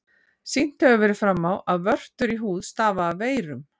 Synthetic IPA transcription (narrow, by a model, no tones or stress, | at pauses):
sin̥t̪hœɣʏvɛɾɪfɾamːawaðvœr̥t̪ʏɾiɦuːðst̪aːvaːðveːjɾʏm